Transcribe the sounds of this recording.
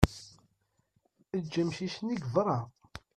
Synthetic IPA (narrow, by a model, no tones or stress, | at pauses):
əd͡ʒːəmʃisniɡvɾˤɑ